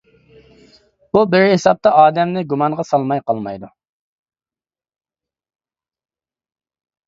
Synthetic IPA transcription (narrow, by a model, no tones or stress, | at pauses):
bubɪɾɦesɑp̚t̪ɑɑːd̪ɛmnɪɡumɑɴʁɑsɑlˠmɑjqɑlˠmɑjd̪u